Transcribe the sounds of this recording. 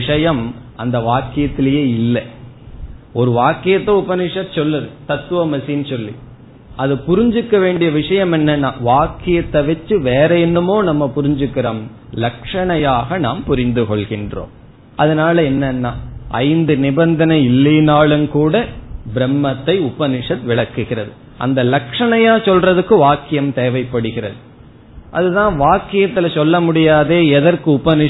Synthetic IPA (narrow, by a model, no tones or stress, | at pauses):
ɪʂɐjɐmɐnd̪ɐʋaːkːɪjɐt̪ːɪlɐjeːɪlːɐ | ɔɾɯʋaːkːɪjɐt̪ːɐʊpɐnɪʂɐt̪sɔlːɐðɯt̪ɐt̪ːɯʋɐmɐsinsɔlːḭ | ɐðɯpʊɾɪɲd͡ʒɯkːɐʋeːɳɖɪjɐʋɪʂɐjɐmɛnːɐnːaːʋaːkːɪjɐt̪ːɐʋɛt͡ʃːɯʋeːɾɐɛnːɯmoːnɐmːɐpʊɾɪɲd͡ʒɯkːɪɾɐm | lɐkʂɐɳɐjaːɣɐnaːmpʊɾɪnd̪ɯkɔɭɣɪndro̰ːm | ʔɐðɐnaːlɐɛnːɐnːaːɐ̰ɪnd̪ɯnɪbɐnd̪ɐnɐɪlːɐnaːɭɯmkuːɽɐbɪɾɛmːɐt̪ːɐɪʊbɐnɪʂɐt̪ʋɪɭɐkːɯɣɪrɐðɯ | ʔɐ̰nd̪ɐlɐkʂɐɳɐjaːsɔlrɐðɯkːɯʋaːkːɪjɐmt̪eːʋɐɪpːɐɽɯɣɪɾɐðɯ | ʔɐ̰ðɯt̪ãːʋaːkɪjɐt̪ːɪlɐsɔlːɐmʊɽɪjaːðeːɛðɐrkɯʊbɐnɪ